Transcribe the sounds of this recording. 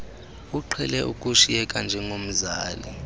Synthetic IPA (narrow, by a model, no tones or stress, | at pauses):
uǃʰɛlɛʔukʼuʃijɛkʼand͡ʒʱɛŋʱom̩zaːli